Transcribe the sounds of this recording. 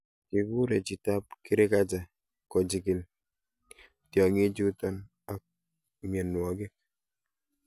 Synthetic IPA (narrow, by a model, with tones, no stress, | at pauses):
ki˨ku˦ɾɛ˨t͡ʃi˨ta˦p̚ki˦ɾe˦ka˦d͡ʒa˨ | kɔ˨d͡ʒi˨ki˨l | tjɔ˨ŋe˦d͡ʒu˦tɔ˦n | a˦k̚ | me˨nwɔ˨ɡe˦k̚